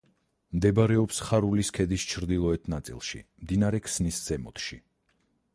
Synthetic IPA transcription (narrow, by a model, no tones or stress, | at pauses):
md̪ɛbɾɛɔpsχaɾuliskʰɛd̪ist͡ʃʰɾd̪ilˠɔɛt̪ʰnat̪sʼḭlˠʃḭmd̪inaɾɛkʰsnisz̥ɛmɔ̰t̪ʰʃi